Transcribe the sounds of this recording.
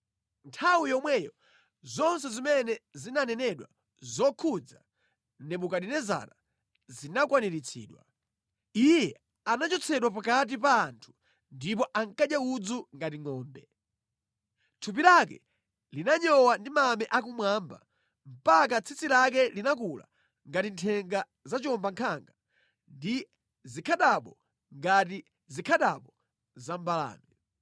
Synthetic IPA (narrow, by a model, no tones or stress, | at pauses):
ntʰawijɔmwɛjɔ | zɔns̬ɛzimɛnɛzinanɛnɛɗwa̰ | zɔkʰud͡za̰ | nɛɓukaɗinɛza̰na | zinakwaniɾit͡sʰḭːɗwa̰ | ijɛ | anat͡ʃɔt͡sʰɛɗwapakat̬ipaːntʰu̥ | ndip̬ɔʔaŋkaɗjaud͡zuŋɡat̬iŋɔːmbɛ | tʰupilakɛ̰ | linaɲɔwandimamɛʔak̬umwaːmba̰ | m̩pak̬at͡sʰit͡silak̬ɛlinakula̰ | ŋɡatintʰɛŋɡa | zat͡ʃɔmbaŋkʰaŋɡa | ndi | zikʰaɗaɓɔ | ŋɡat̬i | zikʰaɗaɓɔ | zambala̰ːmɛ